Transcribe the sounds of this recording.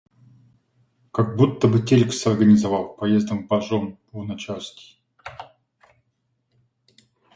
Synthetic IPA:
kaɡ̚but̪ːəbɨtʲelʲksʲɐrɡənʲɪzɐvalˠpɐjezd̪əmbɐʐom | nɐt͡ɕalskʲɪ̥

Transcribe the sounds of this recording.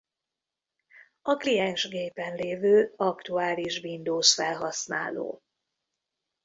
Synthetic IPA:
ɒklijɛnʃɡeːpɛnleːvøːɒkt̪uaːliʒvind̪oːsfɛlɦɒsna̰ːlo̰ː

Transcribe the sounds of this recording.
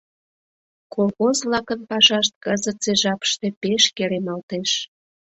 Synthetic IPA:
kolxozβlɑkənpɑʃɑʃt̪̚kəzət̪t͡seʒɑpə̥ʃt̪e̽peʃkeɾemɑlt̪eʃ

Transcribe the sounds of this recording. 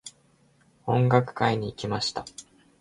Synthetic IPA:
õ̞ŋɡakɯ̟̥kaiɲ̟iːkʲimaɕi̥t̪a

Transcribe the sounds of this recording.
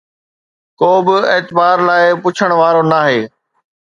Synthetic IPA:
koːbɪeːt̪ɪbaːɾlaːɪpʊt͡ɕʰəɽ̃ʋaːɾonaːɦeː

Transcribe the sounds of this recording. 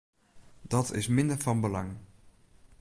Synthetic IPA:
d̥ɑtʰɪ̰smɪndəɹfɑnbəlɑŋ

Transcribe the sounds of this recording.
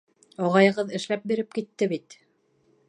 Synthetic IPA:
ɑʁɑjɤ̆ʁɤðɘ̆ʃlæp̚biɾɘp̚kit̪ːɘβit̪

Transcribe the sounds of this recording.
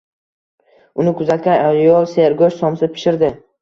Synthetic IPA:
ʊnɪkʰʊzat̪̚kʲanaljɒlˠse̞ɾɡoʃsɒmsɪpʰɪ̥ʃɪɾd̪ɪ

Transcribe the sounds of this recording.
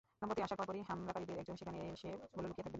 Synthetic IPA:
nampot̪iaʃakɔɾakoɾiɦamɾakaɾid̪eɾɛk̚d͡ʑonʃekʰaneʃeboleolukiet̪ʰaɡben

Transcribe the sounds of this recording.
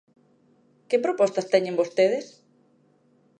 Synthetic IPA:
kɪpɾopɔst̪ɐst̪ɛɲẽmbost̪eðɪs

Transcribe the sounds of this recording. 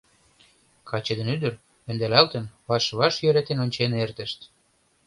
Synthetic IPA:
kʰɑt͡ɕə̆d̪ə̆nyd̪ə̆r | ø̆nd̪ælælt̪ə̆nβɑʃβɑʃjøɾet̪enonʲt͡ɕenert̪ə̆ʃt̪

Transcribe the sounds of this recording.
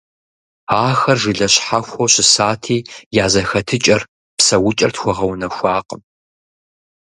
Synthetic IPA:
aːxɐrʒɨɮɐɕħaxʷoɕɪsaːtʰiːjaːzɐxɐtʰɨt͡ʃʼɐr | psɐwʊt͡ʃʼɐrtxʷɔʁɐwnɐxʷɑːqəm

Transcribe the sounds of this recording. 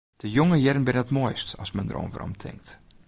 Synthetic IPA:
d̥əjoŋəjɛdənbɪnənətmojstɔsmɛndə̰ro̰ːnvə̰ro̰mtʰɪ̰ŋk̚t

